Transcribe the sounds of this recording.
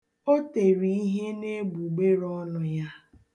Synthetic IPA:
o˦te˨ɾi˨i˦ɦe˦ne˦bu˨ɡ͡be˦ɾɔ˦nʊ˨ja˦

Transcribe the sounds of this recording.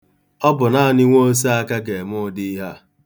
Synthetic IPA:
ɔ˦bʊ˨na˦˨ni˦ŋʷo˦o˦s̬i˦a˦ka˦ɡe˨mʊ˦di˦ɦa˦

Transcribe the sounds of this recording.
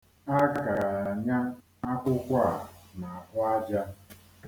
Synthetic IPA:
a˦ɡa˨ka˨ɾa˨ɲa˦ | a˦kʊ˦kʷa˦˨na˨a˨hʊ˦a˦d͡ʒa˦

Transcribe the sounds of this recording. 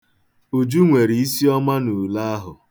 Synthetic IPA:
u˨d͡ʒu˦ŋʷe˨ɾi˨i˦si˦ɔ˦ma˦nu˨la˦a˦ɦʊ˨

